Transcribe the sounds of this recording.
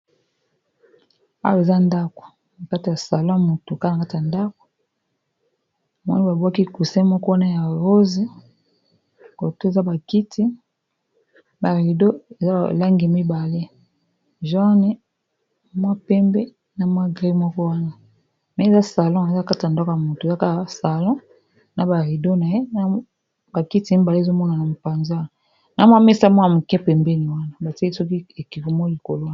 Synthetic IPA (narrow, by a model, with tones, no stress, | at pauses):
a̰˦jo˨e˨za˦nda˦ko̥˨ | na˨ka˦ti˨ja˨sa˨lɔ̃˦˨mo˨to˨ka˦na˨ka˦ti˨ja˨nda˦ko̥˨ | mwɔ̰˦ni˦ba˨bwa˦ki˦˨ku˨sɛ˦mɔ˦kɔ˦wa˦na˦ja˨ʁo˦zi˦ | ko˨to˦e˨za˦ba˨ki˦tʰi˦ | ba˨ʁi˨do˦e˨za˦˨la˦ŋɡi˨mi˦ba˨le˦ | ʒa˦nɛ˦ | mwa˦pɛ˦mbɛ˦ | na˨mwa˦ɡʁi˦mɔ˦kɔ˦wa˦na˦ | mɛ˨˦˨za˦sa˨lɔ̃˦e˨za˦˨ka˦ti˨ndɔ˦kɔ˨a˨mo˨to˨za˦ka˦˨sa˨lɔ̃˦ | na˨ba˨ʁi˨do˦na˨je˦na˦ | ba˨ki˦ti˨˦mi˦ba˨le˦˨zo˦mɔ˦na˨na˨mo˨pa˨nza˦˨ | na˨mwa˦me˦sa˦mwa˦ja˨mo˨kɛ˦pɛ˨mbɛ˦ni˨wa˦na˦˨ba˨tsɔ˦ki˦e˨ki˨vo˨mo˦li˨ko˨lo˦